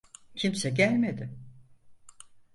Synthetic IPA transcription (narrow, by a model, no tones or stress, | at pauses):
cʰimsɛɟælʲme̞d̪ɪ